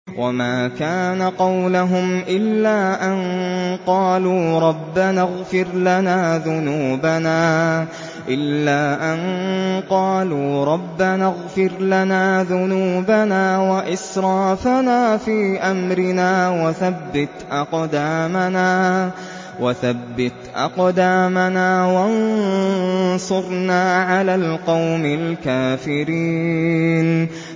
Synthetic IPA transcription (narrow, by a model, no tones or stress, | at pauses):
wʔamaːkaːnaqɑwlʊɦʊmʔɪlːaːʔanqɑːluːɾˤɑbːanaɣfɪɾlanaːðʊnuːbanaː | ʔɪlːaːʔanqɑːluːɾˤɑbːanaɣfɪɾlanaːðʊnuːbanaːwaʔɪsɾˤɑːfanaːfiːʔamɾɪnaːwaθabːɪt̪ʔɑqd̪aːmanaː | waθabːɪt̪ʔɑ̰qd̪aːmanaːwan | sˤʊɾnaːʕalaːlqɑwmɪlkaːfɪɾiːn